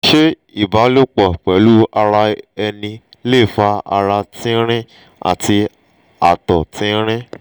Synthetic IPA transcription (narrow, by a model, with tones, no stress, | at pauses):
ʃe˦ | i˨ba˨˦lo˦k͡pɔ˦˨k͡pɛ˨˦lu˦a˧ɾa˧ɛ˧nĩ˧le˦˨fa˧a̰˧ɾa˧tĩ˦ɾ̃ĩ˦ | a̰˨tʰi˧ | a˨tɔ˨tĩ˦ɾ̃ĩ˦